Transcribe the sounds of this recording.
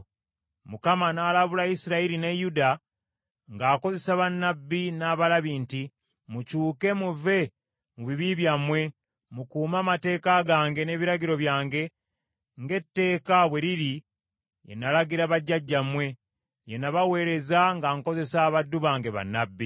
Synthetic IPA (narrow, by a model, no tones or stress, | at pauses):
mukamanaːlaβulaisiɾaiɾinejuda | ŋɡaːko̞ze̞saβanːabːinaːβalaβiːnti | mucuːke̞muve̞ | muβiβiβjamwe̞ | mukuːmaːmate̞ːkaɡaːŋɡe̞ne̞ːβiɾaɡiɾo̞βjaːŋɡe̞ | ŋɡe̞tːe̞ːkaβwe̞ɾiɾi | je̞̰nːalaɡiɾaβaɟːaɟːamwe̞ | je̞naβawe̞ːɾe̞zaŋɡaŋko̞ze̞saːβadːuβaːŋɡe̞βa̰nːabːi